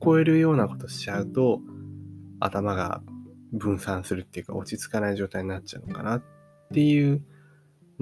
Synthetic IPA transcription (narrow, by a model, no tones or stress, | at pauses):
ko̞e̞ɾɯ̟jo̞ːnako̞̥t̪o̞ɕi̥t͡ɕaɯ̟t̪o̞ | a̰t̪amaɡa̰bɯ̟̃ɰ̃sãɰ̃sɨɾɯ̟t̪ːe̞jɯ̟ka̰o̞t͡ɕit͡sɨ̥kanaiʑo̞ːt̪aiɲ̟inat͡ɕt͡ɕaɯ̟noka̰natː | e̞jɯ̟ː